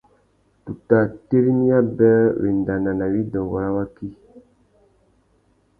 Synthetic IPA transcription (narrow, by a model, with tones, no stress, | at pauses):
tu˨ta˨te˦ɾi˦ni˦ja˦bɛ̃˦wḛ˨nda˨na˨na˨wi˦dɔ̃˨wa˨ɾa˦wa˦ki˦